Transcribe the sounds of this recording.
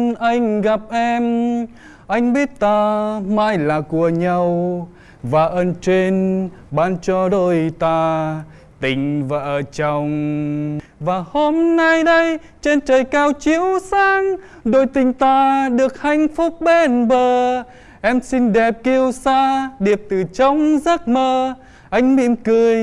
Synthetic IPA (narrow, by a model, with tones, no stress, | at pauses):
ʔa˧jŋ̟ɣa˨˩p̚ʔɛ˧m | ʔa˧jŋ̟ɓi˦˥ət̚t̪aː˧maː˧jlaː˨˩ku˧˩əɲa˧w | vaː˨˩ʔəː˧nt͡ɕe˧nɓaː˧nt͡ɕɔ˧ɗo˧˩jt̪aː˧ | t̪ï˨˩ŋ̟va̰ː˧˨ʔə˧˩t͡ɕɔ˨˩wŋ͡m | vaː˨˩ho˧mna˧jɗə˧j | t͡ɕe˧nt͡ɕəː˨˩jkaː˧wt͡ɕi˧˦əwsaː˧ŋ | ɗo˧˩jt̪ï˧˩ŋ̟t̪aː˧ɗɨ˨˩ək̚ha˧˩jŋ̟fʊ˦˥k͡p̚ɓe˧˩nɓəː˨˩ | ʔɛ˧msi˧nɗɛ˨˩p̚ki˧əwsaː˧ɗi˨˩əp̚t̪ɨ˨˩t͡ɕɔ˧wŋ͡mzaː˦˥k̚məː˧ | ʔa˧jŋ̟mḭ˧˥əmkɨ˧əj